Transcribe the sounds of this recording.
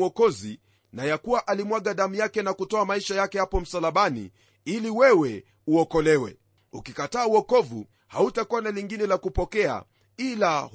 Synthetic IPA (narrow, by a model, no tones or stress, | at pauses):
ɔkɔzi | najakuwaʔalimwaɠaðamujakɛnakutɔamaiʃajakɛhapɔm̩salaɓanḭ | iliwɛwɛ | uɔkɔlɛwɛ̰ | ukikataːuɔkɔvu | hautakuwanaliŋɡinɛlakupɔkɛa̰ | ila